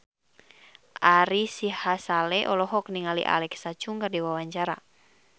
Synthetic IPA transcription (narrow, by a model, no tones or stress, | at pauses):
ʔaɾisihasalɛʔɔlɔɦɔkniŋalḭʔa̰lɛksat͡ʃuŋɡərdiwawaɲt͡ʃaɾa̰